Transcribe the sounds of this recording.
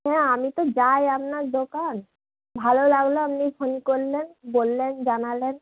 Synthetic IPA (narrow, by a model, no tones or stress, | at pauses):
ɦɛ̃amit̪od͡ʑajapnaɾd̪okan | bʱalolaɡloamnifʰonikoɾlenbolːend͡ʑanalen